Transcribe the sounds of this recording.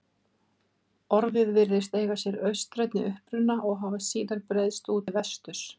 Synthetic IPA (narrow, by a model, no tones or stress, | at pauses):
ɔɾvɪðvɪɾðɪst̪ejɣasjɛɾœɥst̪ɾɛjt̪nɪʔʏhpɾʏnːaʔɔɣɦaːvasiːðaɾpɾejðst̪uːt̪ɪvɛst̪ʏɾ̥